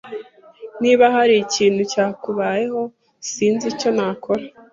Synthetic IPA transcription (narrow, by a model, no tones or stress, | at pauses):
niːβahaɾiciːnhucaːkuβaːje̞ho̞ | siːnzico̞naːkʰo̞ɾa